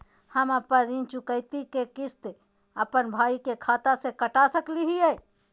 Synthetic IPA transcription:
həməpənɾĩt͡ʃukəɪt̪ikekist̪e | əpənbʱaikekʰat̪asekəʈasəkliɦiɛ

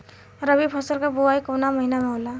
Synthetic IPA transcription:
ɾəbipʰəsəlkabuaikoːnamɐɦinamẽɦola

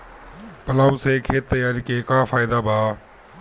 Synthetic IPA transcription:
pəlaːuseːkʰeːt̪ːəjaːɾiːkeːkaːfaːɪd̪aːbʱaː

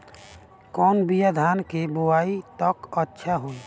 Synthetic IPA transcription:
kɔːnbijad̪ʱaːnkeboaːit̪əkətːʃʰaɦoːi

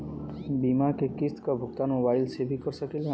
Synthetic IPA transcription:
bimakekist̪ʰkabʱukt̪anmobajlsebʱikɔɾsakile

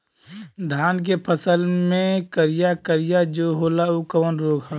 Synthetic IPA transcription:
d̪ʱaːnk̬epʰəsəlmẽkəɾijakəɾijad͡ʒoɦolaukəʋənɾoːɡə

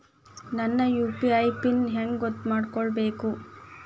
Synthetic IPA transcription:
nɐnːɐjuːpiɐjpinɦeŋɡɡot̪ːmaːɖkɔɭbe̞ːku

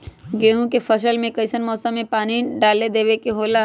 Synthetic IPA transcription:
ɡeːɦũkefʰɐʃəlmẽkɐɪsənmɔːsə̃mːẽpaːniɖaːled̪eːʋekeɦoːla

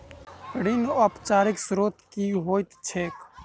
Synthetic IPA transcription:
ɽinɔpt͡ʃaːɾɪksɾoːt̪kiːɦoːjt̪t͡ʃʰeːk

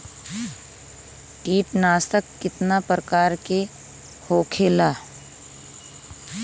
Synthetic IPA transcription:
ʈiːʈnaːst̪əkːɪt̪napɾəkaːɾke | hoːkʰeːlaː

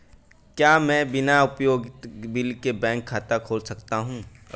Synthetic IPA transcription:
kjaːmɛ̃ːbɪnaʊpjoːɡbɪlkebɛ̃ːŋkʰːaːt̪akʰoːlsɐkt̪aɦũː

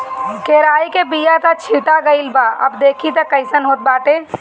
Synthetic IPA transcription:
keɾaːikebijat̪at͡ʃʰiʈaɡəɪlbaʔə̰bd̪eːkʰit̪əkəɪsənɦoːt̪̚baːʈe

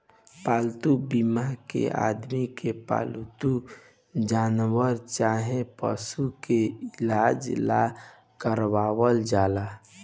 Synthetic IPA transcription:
paːlt̪ubimakḛʔa̰ːd̪mikepa̰ːlt̪u | d͡ʒaːnwəɾt͡ʃaːɦẽpə̰sukeɪlaːd͡ʒla̰ | kəɾwaːwəld͡ʒaːla

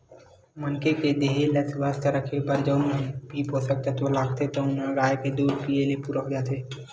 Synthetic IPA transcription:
mənkeked̪eɦeləsʋaːst̪əɾəkʰebəɾd͡ʒəʊmebʱipɦoːsək̚t̪at̪olaːɡt̪et̪oʊnə̃ɾaːjked̪uːɾpijelepuːɾəɦɡjaːt̪ʰeː

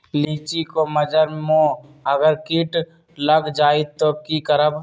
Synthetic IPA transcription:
liːt͡ʃikoməd͡ʒəɾmõːəɡəɾkiːʈ | ləɡd͡ʒaːit̪okikəɾəb

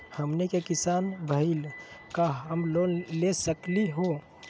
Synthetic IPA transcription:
həmnekekisanbʱəɪlkaəmlolesəkliɦo

